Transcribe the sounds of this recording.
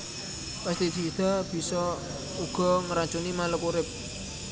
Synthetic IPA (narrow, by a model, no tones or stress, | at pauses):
past̪id͡ʒiid̪̥a̤b̥i̤sɔ | uɡ̥ɔ̤ŋəɾaɲt͡ʃunimaləkuɾɪp̚